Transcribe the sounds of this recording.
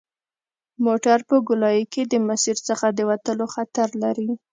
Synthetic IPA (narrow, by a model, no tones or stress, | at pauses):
moʈaɾpəɡʊlɑjəked̪əmasiɾt͡səxad̪əwat̪əloxat̪aɾlaɾi